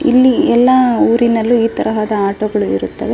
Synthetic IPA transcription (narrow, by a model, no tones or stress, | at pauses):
ḭlːiɛlːɐuːɾinɐlːuiːt̪ɐɾɐɦaːd̪ɐaːʈoɡɐɭuḭɾut̪ːɐʋe